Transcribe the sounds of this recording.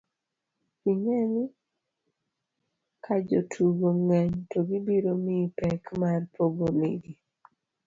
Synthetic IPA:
kiŋɛni | kʰad͡ʒotʰuɡoŋaɲtɔɡibiɾomipɛkmarpʰoɡomiɡi

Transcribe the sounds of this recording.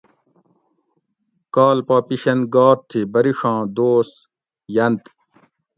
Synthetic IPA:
kaːlpaːpiɕɐnɡaːɾt̪ʰibɐɾiʂɑ̃ːd̪oːs | jɐnt̪

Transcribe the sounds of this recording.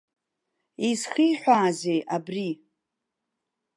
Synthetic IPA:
izχijħʷᶣaːzejabri

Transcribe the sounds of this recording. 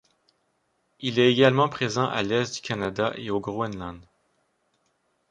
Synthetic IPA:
ilɛeɡʲalmɑ̃pχezɑ̃ʔa̰lɛst̚d̪ykanad̪aʔeoɡʁoɛnlɑ̃d̪

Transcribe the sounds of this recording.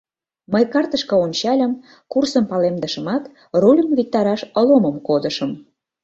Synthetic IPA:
məjkɑrt̪əʃkɤ̆onʲt͡ɕɑlʲəm | kursəmpɑlemd̪əʃəmɑt̪ | rolʲəmβik̚t̪ɑɾɑʃə̆loməmkod̪əʃəm

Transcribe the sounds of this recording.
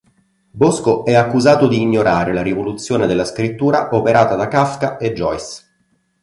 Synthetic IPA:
boskoɛakːuzaːt̪od̪iːɲːoɾaːɾelaɾivolut̪sːjoːned̪elːaskɾit̪ːuːɾaʔopeɾaːt̪ad̪akafkaed͡ʒːɔjs

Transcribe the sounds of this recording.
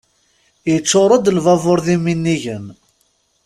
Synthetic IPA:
jət͡sːoɾˤɑd̪əlvɑvoɾˤðiminːiʝən

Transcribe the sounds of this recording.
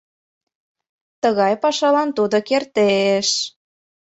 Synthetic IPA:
t̪əɣɑjpɑʃɑlɑnt̪ud̪okert̪eʃ

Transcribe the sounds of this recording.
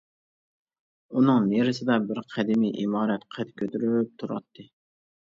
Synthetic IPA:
unɨŋneɾɪsɪd̪ɛbɪɾqʰæd̪ɪmijʔimɑːɾɛt̪qʰæt̪kʲʰøt̪yɾyɾyp̚t̪ʰuɾɑ̰t̪ʰːɨ

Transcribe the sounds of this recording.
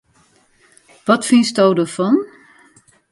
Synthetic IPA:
ʋɔtfɪnsdowdərfɔn

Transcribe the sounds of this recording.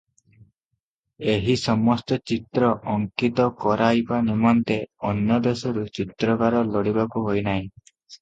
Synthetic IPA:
eɦisɔmɔst̪ɔt͡ʃit̪ɾɔɔŋkit̪ɔkɔɾajbanimɔnt̪eɔnjɔd̪esɔɾut͡ʃit̪ɾɔkaɾɔlɔɽibakuɦojnaɦĩ

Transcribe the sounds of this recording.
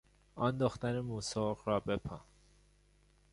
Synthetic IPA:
ɒːnd̪oxt̪ænemuːsoːɢrɒːbe̞pʰɑ̰n

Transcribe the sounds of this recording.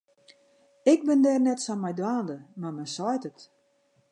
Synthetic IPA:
ɪk̚bɪndɛːrnɛtsɔnmɛjdwaːndəmarmɛjsɔjtət

